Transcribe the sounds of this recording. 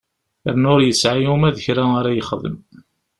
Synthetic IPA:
əɾnʊɾjəsʕajumæðəçɾaaɾæjəχðˤə̰m

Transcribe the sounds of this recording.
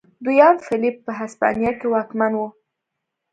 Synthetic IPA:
d̪ujɑnfɪlipːəɦaspɑ̰nijakewɑkmanwu

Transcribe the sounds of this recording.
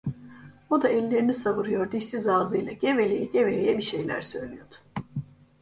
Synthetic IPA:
od̪aɛlʲːe̞ɾinisaβɯɾɯjo̞ɾd̪iʃsizaːzɯjlˠaɟevelʲejɛɟeve̞lʲejɛbiʃe̞jlʲæ̰ɾsø̞jlʲyjod̪̥ʊ̥

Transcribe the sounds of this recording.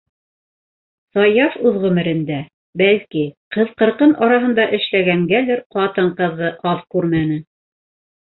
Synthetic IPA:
sɑjɑfʉðʁʉ̆mɘ̆ɾɘ̆nd̪æ | bælkiqɤ̆ðqɤ̆ɾqɤnɑɾɑɦɤ̆nd̪ɑʔɘ̆ʃlæɡæŋɡælɘɾqɑt̪ɤɴqɤ̆ðʁɤʔɑðkʉɾmænɘ

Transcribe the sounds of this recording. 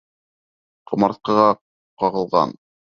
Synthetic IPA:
qɤ̆mɑɾt̪̚qɤ̆ʁɑ | qɑʁɤ̆lˠʁɑ̰n

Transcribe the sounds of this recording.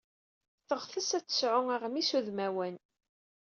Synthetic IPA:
θəʁθəsæt͡sːə̥sʕʊæʁmisuðmæwæn

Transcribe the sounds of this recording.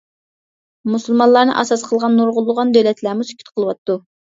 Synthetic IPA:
musɨlˠmɑnlˠɑɾnɨ̰ʔɑsɑsqʰəlˠʁɑnːuɾʁʊlˠːʊʁɑnd̪øwlɛt̪ʰlæɾmusy̥kʲʰy̥t̪qʰəlˠɨwɑt̪ːu

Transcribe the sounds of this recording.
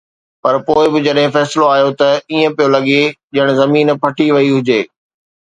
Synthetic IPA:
pɐɾpoːɪbɪd͡ʑɐɗɦɪ̃fɛːsɪloaːɦjot̪ɐiːə̃pijolɐɠeʄɐɪɽ̃̆zɐmiːnpʰɐʈiʋɐiɦʊd͡ʑeː

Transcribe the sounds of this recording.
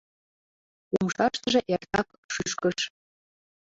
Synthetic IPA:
umʃɑʃt̪ə̆ʒĕʔert̪ɑk | ʃyʃkəʃ

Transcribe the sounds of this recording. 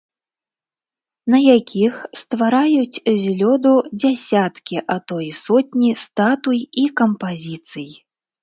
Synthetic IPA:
nɐjakʲʰixst̪vaɾajut͡sʲzʲlʲɔd̪ud͡zʲasʲat̪kʲiʔat̪ɔjsɔt̚ʲnʲist̪at̪ujikɐmpazʲit̪sɨj

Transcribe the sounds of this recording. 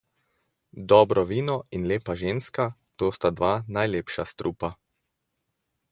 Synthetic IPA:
d̪ɔːbɾɔʋiːnɔinleːpaʒeːnskat̪oːst̪ad̪ʋanajleːpʃast̪ɾʔuːpa

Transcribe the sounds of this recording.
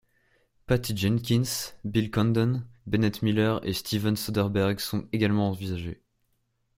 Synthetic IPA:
pat̪id͡ʒɛnkʲinsbilkɔnd̪ɔnbɛnɛt̪milœʁḛst̪ʰivɛnsɔd̪ɛʁbɛʁɡsɔ̃t̪eɡʲalmɑ̃ːvizaʒḛ

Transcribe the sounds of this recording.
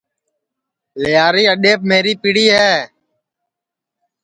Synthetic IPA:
lɪjaːɾiːəɗeːp̚meːɾiːpiːɽiːɦɛː

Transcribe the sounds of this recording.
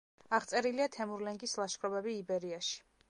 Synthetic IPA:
aʁt̪sʼɛɾiliat̪ʰɛmuɾlɛŋɡislˠaʃχʰɾɔbɛbiːbɛɾiaʃi̥

